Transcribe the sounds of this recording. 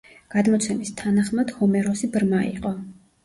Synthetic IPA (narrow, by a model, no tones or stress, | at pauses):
ɡ̥ad̪mɔt̪sʰɛmist̪ʰanaχmad̪̥hɔmɛɾɔsibɾmaḭqʼɔ